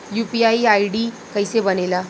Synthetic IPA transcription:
jupiaiajɽiː | kəjsebənela

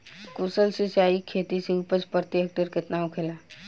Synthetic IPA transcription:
kuːsəlsesaːikʰeːt̪iseuːpət͡ʃpəɾt̪jek̚ʈəɾkɪt̪naʊkʰeːlaː

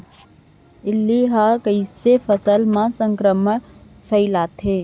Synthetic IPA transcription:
ɪlːiɦakəisefəsəlmãsə̃ŋkɾəmə | fʰɐilaːt̪ɦeː

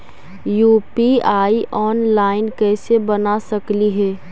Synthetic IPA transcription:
juːpiaːiʔɔːnlaːɪnkɛːsebənasəkliɦɛː

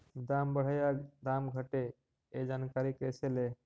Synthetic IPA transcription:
d̪ambəɽ̤ajad̪amɡʱəʈe | ed͡ʒaːnkaɾikəsʰele

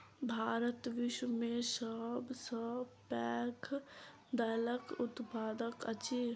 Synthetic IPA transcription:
bʱaːɾət̪ʋɪʃwəmẽsəbsəpɛːkʰ | d̪ələkʊt̪paːd̪əkət͡ʃi

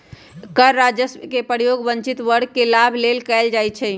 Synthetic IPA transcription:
kəɾːad͡ʒəskepəɾjoɡbə̃ɲt͡ʃit̪ʋəɽ̤kelabʱlelkɛld͡ʒajt͡ʃʰɛ

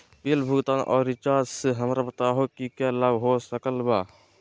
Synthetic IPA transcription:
peːlbʱut̪aːnʔɔ̰ːɾit͡ʃaːɾd͡ʒsəɦəmɾapət̪aɦokikjaləbɦosəkəlbaː

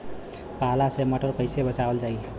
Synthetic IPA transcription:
paɦlaseməʈəɾkəɪsebət͡ʃabəld͡ʒai

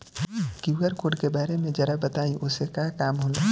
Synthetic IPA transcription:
kjuɡəɾkoːɽkebaːɾemẽd͡ʒɐɾabɐt̪aːĩʔʊsekaːkaːmɦoːloː

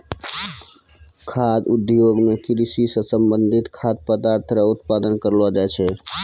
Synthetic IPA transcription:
kʰad̪ud̪joɡmekɾisisə̃səmbənd̪ʱit̪kʰad̪̚pəd̪aɾt̪ʰɾəut̪pad̪ənkəɾlɔd͡ʒat͡ʃʰɛ

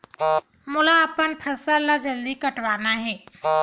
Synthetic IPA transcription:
mulaːpəɳpʰəsəɾlad͡ʑəld̪iːkəʈʋanaɦe

